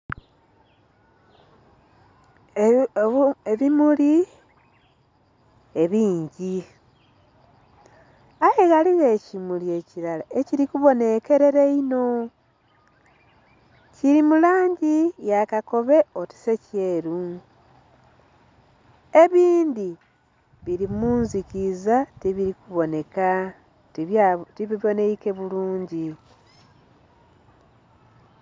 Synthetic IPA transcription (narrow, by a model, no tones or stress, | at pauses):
eβimuli | e̞βiːɲɟi | aheɣaliɣe̞ːcimulie̞ciɾalaeciɾikuβo̞ne̞ke̞ɾe̞ɾeino̞ | ciɾimulaːɲɟijakako̞βe̞oti̥se̞ceːɾu | e̞βiːndi | βiɾimuːnzikizatiβiɾikuβo̞ne̞ka | tiβiβo̞neike̞βuluːɲɟi